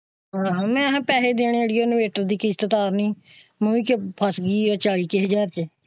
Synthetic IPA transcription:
ɦãːmɛ̃ːəɦãːpɛːɦeːd̪eːɳ̃ːɽiːoːnʋeːʈəɾd̪iːkɪst̪ət̪aːɾnĩːmũikpʰəsɡiːaːt͡ʃaːɽiːkeɦəd͡ʒaːɾt͡ʃ

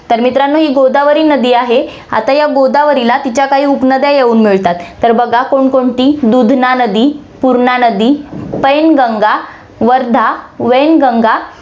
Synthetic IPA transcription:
t̪əɾmit̪ɾanːoɦiːɡod̪aʋəɾiːnəd̪iːaɦe | a̰t̪ajaɡod̪aʋəɾilat̪it͡ɕjakaɦiːupnəd̪jajeʋuːnmiɭt̪at̪ːəɾbəɡʱakoɳkoɳʈ̪iːd̪ud̪ʱnanəd̪iːpuɾɳanəd̪iːpəjnɡəŋɡa | ʋəɾd̪ʱaʋenɡəŋɡa

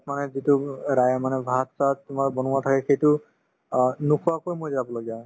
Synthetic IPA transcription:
tmanɛzituɹajamanɛbʱatsatʊmaɹbɔnʊatʰakɛxejtʊ | nukʰuakojmojzaabɔlɔɡija

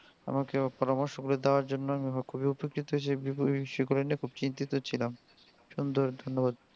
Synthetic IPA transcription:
a̰makepɔɾamɔɾʃoɡuled̪eoaɾd͡ʑonːoamiɦɔkʰubiupekɾit̪oʃebipoʃɔɡulenekʰubt͡ɕint̪it̪ot͡ɕʰilam | ʃund̪oɾd̪ʱonːobad̪

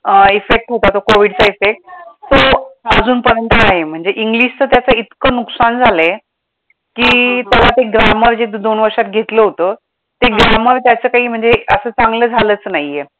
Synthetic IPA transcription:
ifek̚ʈɦot̪at̪okoʋiɽt͡saifek̚ʈ̪ːoaəd͡zʱuːnpəɾənt̪ʰənaɦem̤əɳd͡zeʔiŋɡliɕt͡səːt̪jat͡səit̪kəːnuksand͡zʱale | kiːt̪jalat̪eɡɾaməɾd͡ʑed̪onʋəɾʂat̪̚ɡʱet̪ləɦot̪ə | t̪eɡɾaməɾt̪jat͡səːkaɦiːm̤əɳd͡zeəsəːt͡saŋɡləːd͡zʱaləːt͡snaɦjːe

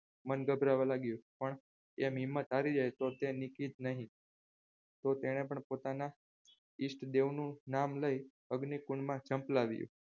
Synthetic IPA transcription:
mənɡəbʱɾaʋãlaɡjũpəɳ | emɦɪmːət̪aɾid͡ʒajt̪ot̪enikid͡ʒnəɦĩ | t̪ot̪eɽ̃ep̬əɳpot̪ana | isʈʰd̪eʋnũnamləj | əɡnikuɳmãd͡ʒʰəmplaʋjṵ̃

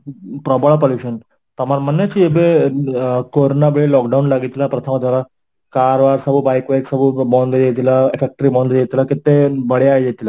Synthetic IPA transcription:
pɾɔbəɭpoljuɕən | t̪amaɾmənːet͡ɕiebe | koɾnabeɭelɔkɖaunlaɡit̪lapɾət̪ʰəmad̪ʱaɾa | kaɾʋaɾsəbubajkʋajksəbubɔ̃nd̪jet̪ilaefek̚ʈɾibɔ̃nd̪jet̪ilakit̪ebəɽeajjet̪ila

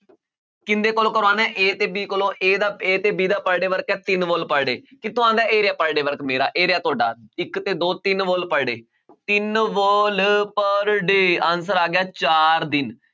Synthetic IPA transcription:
kɪnd̪eːkolõːkəɾaːnɛ̃ːʔeːt̪eːbiːkolõːʔeːd̪aːeːt̪eːbiːd̪aːpəɾɖeːʋəɾkɛːt̪ɪnʋoːlpəɾɖeːkɪt̪ʰʊãːd̪aːʔeːɾɪjaːpəɾɖeːʋəɾkmeːɾa̰ːʔeːɾɪjaːt̪ʰʊaːɖa̰ːɪkt̪eːd̪oːt̪ɪnʋoːlpəɾɖeː | t̪ɪnʋoːlpəɾɖeːãːnsəɾaːɡɪaːt͡ʃaːɾd̪ɪn

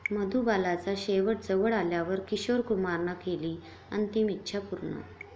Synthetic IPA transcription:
məd̪ubalat͡saɕeʋəʈ̚d͡zəʋəɽaljaʋəɾkiɕoɾkumaɾnakeliː | ə̰nt̪imitːɕʰapuɾɳa̰

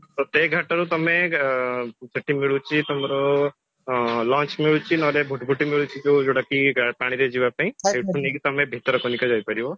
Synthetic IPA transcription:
t̪ɔt̪eɡʱaʈaɾut̪ɔme | d͡ʒeʈimiɭut͡ʃʰit̪ɔmɔɾɔ | lɔ̃nt͡ʃmiɭut͡ʃʰinɔlebʱuʈbʱuʈimiɭut͡ʃʰid͡ʒewd͡ʒoɽakiɡapaɽ̃iɾed͡ʒibapaĩseʈʰunikt̪ɔmebʱit̪ɔɾɔkonikɔd͡ʒajpaɾibɔ

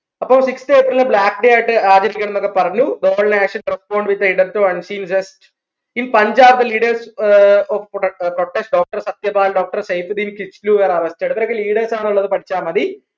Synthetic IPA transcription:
ɐpːɐmsikst̪eːpːɾilnɨbɭaːkɖejaːjiʈːɨaːd͡ʑɐɾikʲːɐɳɐnːokːepɐrɐɲːud̪oːɭneːʂɐnʈrɐspoːɳɖʋit̪ːɐiɖɐɾt̪uɐnsiːmsesʈ | inpɐɲd͡ʑaːɾd̪ɐliːɽɐrsofproʈːesʈɖoːk̚ʈɐrsɐt̪jɐbaːlɖoːk̚ʈɐrsɐjfd̪iːnkit͡ʃluʋɐɾɐɾɐsi̥t͡ɕːɐːɽɨt̪ɐɾɐkːeliːɽɐrsaːɳuɭːɐðɨpɐʈʰit͡ɕːaːmɐd̪i

